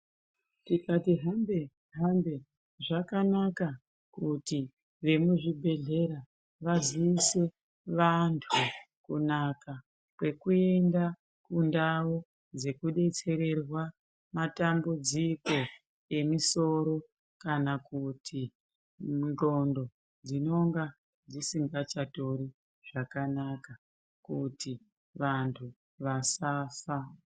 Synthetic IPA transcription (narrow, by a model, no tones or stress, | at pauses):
tikatiɦambe | ɦambe̞ | ʐakanaka | kuti | ʋe̞muʐibʱe̞ɮe̞ɾa | ʋaziːse̞ | ʋantʰu | kunaka | kwe̞kue̞nda | kundao | d͡ze̞kuɗe̞t͡se̞ɾe̞rwa | matambud͡ziko̞ | e̞miso̞ɾo̞ | kanakutʰi | nd͡ɮo̞ndo̞ | d͡zino̞ŋɡa | d͡zisiŋɡat͡ʃato̞ɾi | ʐ̥akanaka | kuti | ʋantʰu | ʋasaːfa